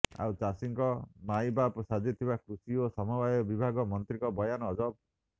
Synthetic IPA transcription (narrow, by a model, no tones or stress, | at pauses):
a̰wt͡ʃasiŋkɔmajbapsad͡ʒit̪ʰibakɾusiosɔmɔbajɔbibʱaɡɔmɔnt̪ɾikɔbɔjanɔːd͡ʒɔp̚